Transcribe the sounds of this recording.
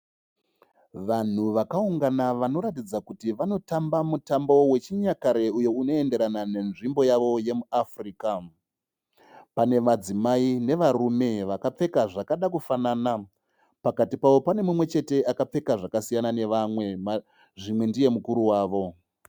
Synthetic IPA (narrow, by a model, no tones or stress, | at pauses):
ʋan̤uʋakauŋɡanaʋano̞ɾatid͡zakutiʋano̞tambamutambo̞we̞t͡ʃiɲakaɾe̞ujo̞uno̞e̞nde̞ɾanane̞nʐimbo̞jaʋo̞je̞muafriːka | pane̞ʋad͡zimaine̞ʋarume̞ʋakap͡fe̞kaʐakaɗakufanaːna | pakatipaʋo̞pane̞mumwe̞t͡ʃe̞te̞ʔakap͡fe̞kaʐakasijanane̞ʋamwe̞ma | ʐimwe̞ndije̞mukuɾuwaːʋo̞